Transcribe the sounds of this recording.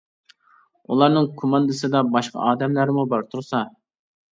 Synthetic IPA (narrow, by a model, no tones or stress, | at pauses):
ulˠɑɾnɨŋkʰomɑnd̪ɨsɨd̪ɑbɑʃqʰɑ̰ʔɑːd̪ɛmlæɾmubɑɾt̪ʰuɾsɑ